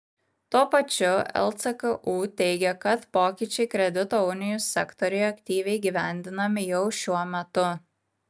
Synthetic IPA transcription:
t̪uɔpɐt͡ʃʲʊɛ̰lˠt̪sɛkɐʔuːt̪ʲɛɪɡʲɛkɐt̪poːkʲɪt͡ʃʲɛɪkɾʲɛd̪ʲɪt̪oːʊnʲɪjʊsʲːɛkt̪ɔɾʲɛɪɐkʲt̪ʲiːʋʲɛɪɡʲiʋʲæˑnʲd̪ʲɪnɐmʲɪjɛʊʃʲuɔmʲɛt̪ʊ

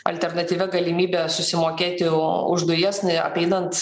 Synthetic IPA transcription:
ɐ̰lʲt̪ʲɛɾnɐt̪ʲiːʋʲɛɡɐlʲɪmʲiːbʲeːsʊsʲɪmoːkʲeːt̪ʲɪʊʒd̪ʊjiɛsnɐ̰pʲɛɪnɐnt̪

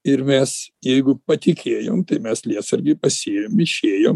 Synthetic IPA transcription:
ɪɾmʲɛsjɛɪɡʊpɐt̪ʲɪkʲʰeːjo̰ːmt̪ɐɪmʲɛslʲiɛsɐɾʲɡʲɪpɐsʲeːjoːmɪʃʲeːjoːm

